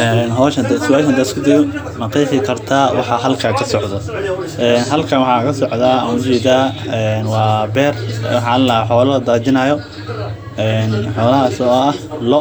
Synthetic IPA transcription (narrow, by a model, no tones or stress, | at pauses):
ʔɛːnɦɔːʃɐd̪ɐsɪwaːʃɐnd̪ɐːɪskʰʊd̪ɪjɔ | mɐqɛjfɪkʰɐrt̪ʰaːwʔɑ̰ħɑɦɐlkʰaːkʰɐsɔʕd̪ɔ | ʔɛːnɦɐlkʰɐnwɑħɑkʰɐsɔʕd̪aːɐ̰mʊt͡ʃɛːd̪aːɛnwɑːbɛːr̰wɑħɑ̃ːllɐħɔːlɐlɐd̪aːt͡ʃɪnɐjɔ | ʔɛːnħɔːlɐɦaːsɔːɐhlɔ